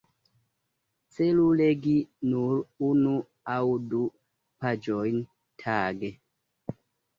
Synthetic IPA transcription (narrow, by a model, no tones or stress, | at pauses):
t͡seluleɡinuɾunu | awdu | pad͡ʒojn | tʰaːɡe